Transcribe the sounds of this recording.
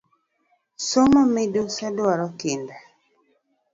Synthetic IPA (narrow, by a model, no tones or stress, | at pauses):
somɔmɪdosadaɾɔkɪnda